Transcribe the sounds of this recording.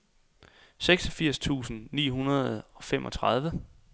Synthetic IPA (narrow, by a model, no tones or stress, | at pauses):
seɡ̥sɒ̽fiɐ̰st͡sʰṵːsn̩nḭːɦunɐð̞ˠɒ̽femʔɒ̽t͡sʰʁɑð̞ˠʋə